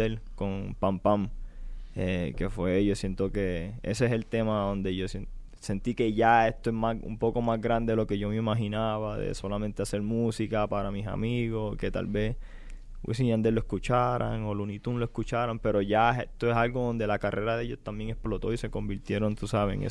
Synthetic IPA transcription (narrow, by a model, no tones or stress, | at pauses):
elko̞ŋpampam | eke̞fwe̞ʝosje̞nt̪oke̞ḛseeselt̪e̞maðo̞nd̪e̞ʝo̞s | se̞nt̪ike̞ʝae̞st̪oezmaṵmpo̞ko̞mazɡɾand̪e̞elo̞ke̞ʝo̞meimaɦinaβaðḛso̞lament̪ease̞ɾmusikapaɾamisa̰miɣo̞ske̞t̪a̰lβe̞s | wḭsiɲand̪eloeskut͡ʃaɾa̰ŋo̞lunit̪unloe̞skut͡ʃaɾampe̞ɾo̞ʝaet̪oesalɡo̞ðond̪e̞lakarʔe̞ɾaðe̞jo̞st̪ambjeŋe̞splo̞t̪o̞ise̞ko̞mbiɾt̪je̞ɾo̞nt̪usaβḛŋḛ